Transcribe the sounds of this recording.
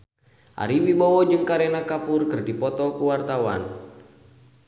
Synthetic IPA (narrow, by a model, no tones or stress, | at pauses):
ʔa̰ɾiwibɔwɔd͡ʒɨŋkaɾɛnakapurkɨrdipɔt̪ɔkuwart̪awa̰n